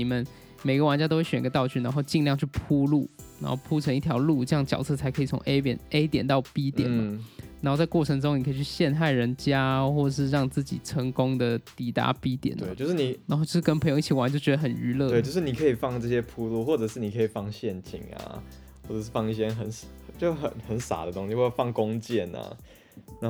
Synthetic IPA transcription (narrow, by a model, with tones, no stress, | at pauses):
i˨˩mə˦n | me˨˩ɪɡə˧wa˧˥nt͡ɕa˥t̪o˥xwɥɛ˨˩˧ɡə˧t̪ɑ˥˧ʊt͡ɕʰy˥˩na˧˥nxo˥˧ʊt͡ɕi˥˧ŋljɑ˥˧ŋt͡ɕʰy˥˩pʰu˥lu˥˩n˧˥nxo˥˧˩ʊpʰu˥ʈ͡ʂʰə˧˥ŋi˥˩t̪ʰjɑ˧˥ʊlu˥˩ʈ͡ʂɤ˥˧jɑ˥˩ŋət͡ɕjɑ˨˩ʊt͡sʰɤ˥˩t͡sʰa˧˥ɪkʰɤ˧˥i˨˩t͡sʰʊ̰˧˥ŋe˥ɪpɛ̰˨˩ne˥ɪt̪jɛ˨˩nt̪ɑ˥˩ʊpi˥t̪jɛ˨˩˦nmɐ̰˦na˨˧˥nxo˥˧ʊt͡sa˥˧ɪkwɔ˥˩ʈ͡ʂʰɤ˧˥ŋʈ͡ʂ̩˥ʊ˥ŋni˨˩˧t͡ɕʰy˥˧˩ɕjɛ˥˧nxa˥˩ɪɻə˧˥nt͡ɕja˥xwɔ˥˩ʈ͡ʂə˩ʂ̬ɻ̩˥˧ɻɑ˥˧ŋt͡sɹ̩˥˩t͡ɕḭ˨˩ʈ͡ʂʰə˧˥ŋkʊ˥ŋd̪ə˨t̪i˨˩t̪a̰˧˥pi˥t̪jɛ̰˨˩n˧˨t͡ɕjo˥˧ʊʂɻ̩˥˩ni˨˩na˧nxo˥˧t͡ɕo˥˧ʊʂɻ̩˥˧kə˥npʰə˧˥jŋ˧i˥˩t͡ɕi˩wa˧˥n˨t͡ɕo˥˩ʊt͡ɕɥɛ˧d̪ə˧xə˨˩ny˧˥lɤ˥˧e˥˧˨t͡ɕo˥˧ʂɻ̩˥˩ni˨˩kʰə˧˥i˨˩fɑ˥˧ŋʈ͡ʂɤ˥˩ɕjɛ˥pʰu˥˧lu˥˧xwɔ˥˩ʈ͡ʂɤ˨˩ʂɻ̩˥˩ni˨˩kʰɤ˧˥i˨˩fɑ˥˧ŋɕjɛ˥˩nt͡ɕḭ˨˩ŋa̰˨˩ | wɔ˥˩ʈ͡ʂɤ˨˩ʂɻ̩˥˩fɑ˥˧ŋi˥˩ɕ̬jɛ˥xə˨˩n˧ | t͡ɕjo˥˧xə˨˩˦nxə˨˦nsa̰˨˩d̪ə˩t̪oʊ˥ŋɕi˧wfɑ˥˩ŋkʊ˦ŋt͡ɕjɛ˥˩na̰˨˩ | na˧